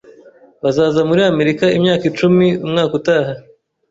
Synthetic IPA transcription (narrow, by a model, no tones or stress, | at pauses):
βazaːzamuɾiame̞ɾikaimɲaːkit͡ʃumiumŋaːkutaːɦa